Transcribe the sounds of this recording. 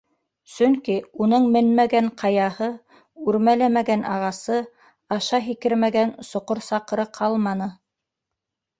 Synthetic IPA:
sɵŋkiunɤɴmɘnmæɡæɴqʰɑjɑhɤ | ʉɾmælæmæɡænʔɑʁɑsɤ | ɑʃɑɦikɘɾmæɡænsŏqoɾsɑqɤ̆ɾɤqʰɑlˠmɑnɤ

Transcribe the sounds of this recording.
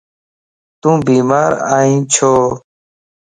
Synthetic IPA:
t̪ũːbiːmaːɾaːĩːt͡ʃʰoː

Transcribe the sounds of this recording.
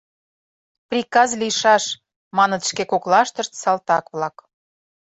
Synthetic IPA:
prʲikɑzliʃɑʃ | mɑnət̪ʃkekoklɑʃt̪əʃt̪sɑlt̪ɑkβlɑk

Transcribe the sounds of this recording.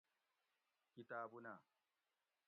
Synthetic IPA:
kɪtaːbunaː

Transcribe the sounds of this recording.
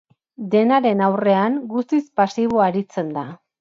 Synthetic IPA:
d̪e̞naɾe̞nawre̞aŋɡust̪ispasiβ̞oaɾit͡se̞nd̪a

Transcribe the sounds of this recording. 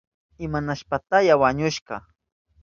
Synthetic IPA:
ɪmanaʃpat̪ajawaɲʊʃɢɑ

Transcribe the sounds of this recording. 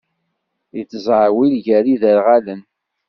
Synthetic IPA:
ət͡sːzˤʕwilʝæɾiðəɾʁalən

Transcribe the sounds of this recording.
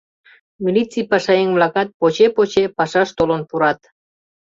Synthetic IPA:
milʲit͡sijpɑʃɑeŋvlɑkɑt̪̚pot͡ɕepot͡ɕepɑʃɑʃt̪olonpuɾɑt̪

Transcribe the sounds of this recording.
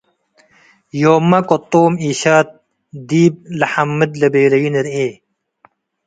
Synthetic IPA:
joːmːɐkot̪ːoːmiːɕaːt̪̚ | d̪iːb̚lɐħɐmːɨd̪lɐbeːlɐjiniɾeː

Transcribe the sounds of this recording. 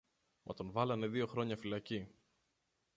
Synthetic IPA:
mʔɐ̰t̪o̞nvɐlɐne̞ðio̞xɾo̞ɲɐfilɐci

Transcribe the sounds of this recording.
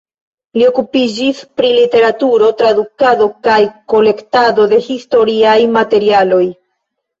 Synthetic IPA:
lio̞kupid͡ʒispɾilite̞ɾatuɾo̞tɾadukado̞kajko̞le̞ktado̞de̞histo̞ɾiajmate̞ɾialo̞j

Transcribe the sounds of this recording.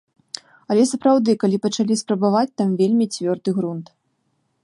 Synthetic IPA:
ɐlʲɛsɐpɾawd̪ɨkalʲipɐt͡ʂalʲispɾɐbavat͡sʲt̪amvʲelʲmʲit͡sʲvʲɔrd̪ɨɣɾunt̪

